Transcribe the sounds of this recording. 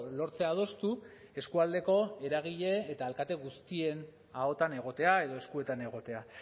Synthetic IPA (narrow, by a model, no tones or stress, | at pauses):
lo̞ɾt͡se̞að̞o̞st̪u | e̞skuald̪e̞ko̞e̞ɾaɣ̞iʎe̞ːt̪aːlkat̪e̞ɣust̪ie̞n | ao̞t̪ane̞ɣ̞o̞t̪e̞ae̞ð̞o̞e̞skue̞t̪ane̞ɣ̞o̞t̪e̞a